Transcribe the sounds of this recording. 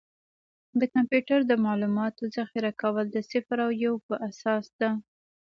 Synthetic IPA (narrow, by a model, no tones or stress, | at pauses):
d̪əkampjuʈaɾd̪əmɑlumɑt̪ozaxiɾakawəld̪əsɪfɾawjawpəʔasɑsd̪a